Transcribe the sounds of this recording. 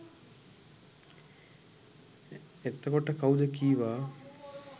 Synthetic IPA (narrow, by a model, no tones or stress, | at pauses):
et̪ːəkoʈəkaud̪əkiːʋaː